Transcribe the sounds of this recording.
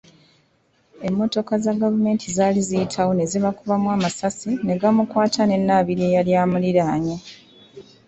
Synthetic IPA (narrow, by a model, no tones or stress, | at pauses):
e̞mːo̞to̞kazaɡavume̞ːntʰizaːlizijitʰawo̞ne̞ziβakuβamwaːmasasine̞ɡamukwaːtʰane̞nːaβiɾie̞jaljaːmuliɾaːɲe